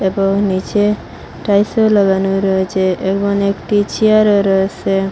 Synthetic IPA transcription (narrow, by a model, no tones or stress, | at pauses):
ebɔŋnit͡ʃe | ʈajsolɔɡanuɾɔet͡ʃeʔekbɔnekʈit͡ɕiaɾoɾɔese